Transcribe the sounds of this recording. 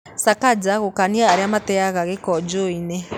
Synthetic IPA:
sakad͡ʒaɣokaniaːɾeamatɛaɣaɣekɔd͡ʒoinɛ

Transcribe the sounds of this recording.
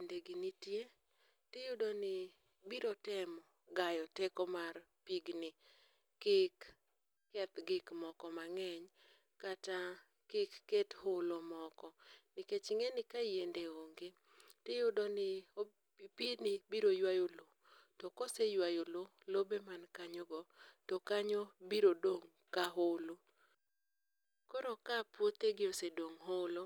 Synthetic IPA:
endeɡɪnitje | tɪjʊdɔnɪ | biɾotɛmɔ | ɡajɔtekɔmar | piɡnɪ | kɪkː | ɛt̪ɡɪkmɔkɔmaŋɛɲ | kata | kɪkːethʊlomɔkɔnɪket͡ʃɪŋenɪkajendeoŋɡe | tɪjʊdɔnɪo | ipinɪbiɾojwajolo | tɔkosejwajolo | lobemankaɲɔɡɔtɔkaɲobiɾodoŋ | kaɦolo | kɔɾɔkapwot̪eɡɪosedoŋɦolo

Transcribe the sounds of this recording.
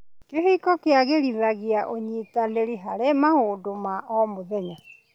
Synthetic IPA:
keɦikɔkeaɣeɾiðaɣeaʔoɲitaneɾiɦaɾemahoːdomaʔɔmoðɛɲa

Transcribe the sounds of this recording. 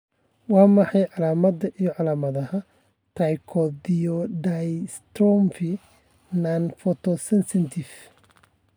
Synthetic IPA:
wɑːmɑħɑjʕɑlaːmɐðɐʔijɔʕɑlaːmɐðɐɦɐ | t̪ʰajkʰɔdijɔɖajst̪ɾɔmfi | nanfɔt̪ʰɔsɛnsɪnt̪ʰɪf

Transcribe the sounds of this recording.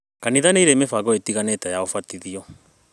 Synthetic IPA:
kaniðaneiɾemefaɣɔetiɣanɛtajaofatiðiɔ

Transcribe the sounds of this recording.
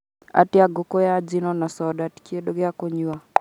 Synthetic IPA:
a̰tɪaɡokojad͡ʒinɔnasɔdatkiedoɡɪakoɲua

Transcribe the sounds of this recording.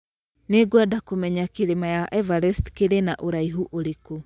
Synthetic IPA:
neɡwadakomɛɲakeɾemajaʔɛvaɾɛstkeɾenaʔoɾaiɦuʔoɾeko

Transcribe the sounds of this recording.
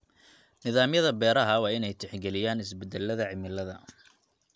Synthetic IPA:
nɪðaːmjɐðɐbɛːɾɐɦɐwɑːɪnɛjt̪ʰɛħɡɛlɪjaːnɪsbɛd̪ɛlːɐðɐʕɪmɪlɐðɐ

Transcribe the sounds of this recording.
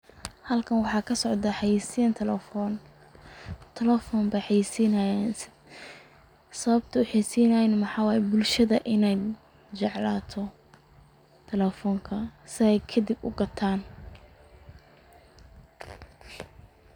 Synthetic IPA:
hɐlkʰɐnwɑħɑːkʰɐsɔʕd̪ɐħɑjiːsijɐnt̪ʰɛlɛfɔn | t̪ʰɛlɛfɔːmbɐjħɑjsiːnɐjan | sɐβɐb̚t̪ʰɐʊħɑsiːnɐjnmɑħɑːwɑːjɛbʊlʃɐðɐʔɪnɛj | t͡ʃɑʕlaːt̪ʰɔ | t̪ʰɛlɛfɔːŋkʰɐsɪɛjkʰɐd̪ibʊ̰ɡɐt̪ʰaːn

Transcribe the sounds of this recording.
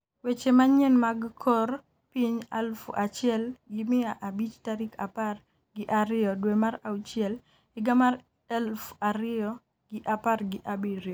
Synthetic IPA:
wet͡ʃemaɲɛnmaɡkʰɔr | piɲɛlfṵʔat͡ʃɪɛlɡɪmɪaʔabit͡ʃtaɾikʰapar | ɡɪʔaɾɪɔdwemaɾaut͡ʃɪɛl | ɪɡamaɾ | ɛlfaɾɪɔ | ɡɪʔaparɡɪʔabiɾjɔ

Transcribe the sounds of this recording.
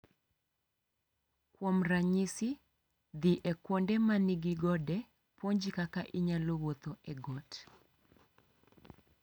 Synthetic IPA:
kwɔmraɲisɪ | d̪iʔɛkwondɛmaniɡiɡɔdɛ | pwoɲd͡ʒikakaʔiɲalowot̪oʔɛɡɔt

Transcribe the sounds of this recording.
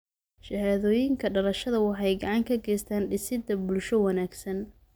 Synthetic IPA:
ʃɐhaːðɔːjɪŋkʰɐɖɐlɐʃɐðɐwɑħɑjɡɑʕɑŋkʰɐɡɛːjst̪ʰaːnɖɪsɪd̪ɐbʊlʃɔwɑnaːɡsɐn

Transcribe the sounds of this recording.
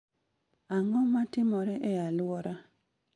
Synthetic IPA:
aŋɔmatɪmɔɾɛʔɛjalwɔɾa

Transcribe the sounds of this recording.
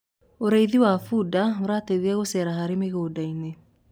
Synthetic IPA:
oɾeiðiwafuːdaoɾaːteðiaɣosɛɾahaɾemeɣoːdaine

